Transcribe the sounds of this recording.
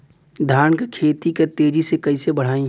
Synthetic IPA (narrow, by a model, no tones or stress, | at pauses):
d̪ʱaːnkekʰeːt̪iket̪eːd͡ʒisekɐisebɐɽ̤aːĩ